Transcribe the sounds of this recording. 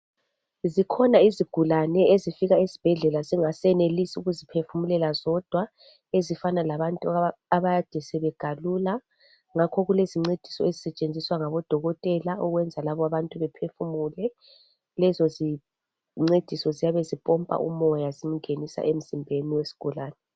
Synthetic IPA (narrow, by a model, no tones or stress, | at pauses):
zikʰɔnaiziɡ̥ʱulanɛezifiɣaizi̥b̥ʱɛɮɛlaziŋasɛnelisiuɣuzipʰefumulɛlazɔd̥ʱwa | ezifanalaβantʼuaβajad̥ʱɛsɛβɛɡ̥ʱalula | ŋakʰɔɣuleziŋ͡ǀed̥ʱi̥sɔ̰ezisɛt͡ʃʼend͡zʱiswaŋaβɔd̥ʱɔɣɔtʼɛlaʔɔɣwɛnd͡zʱalaβɔaβantʼuβɛpʰefumulɛ | lɛzɔzi | ŋ͡ǀed̥ʱisɔzijaβezipʼɔmpʼa̰ʔṵmɔjazim̩ŋenisa̰ʔem̩z̥imbʱeniwesi̥ɡ̥ʱulaːnɛ